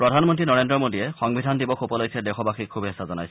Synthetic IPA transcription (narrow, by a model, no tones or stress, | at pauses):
pɹɔdʱanmɔntɹinɔɹendɹɔmodiɛxɔŋbʱidʱandibɔxopɔloksʰɛdɛxʰɔbaxikʰːubʱiɦɛsazɔna̰js